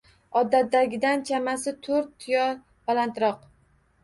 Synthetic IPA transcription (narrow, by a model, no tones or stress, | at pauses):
ɒd̪ːat̪̚d̪ːaɡʲɪd̪ant͡ʃʰamasɪt̪ʰɵɾt̪ːʰʊjɒ | b̥alant̪ɾɒq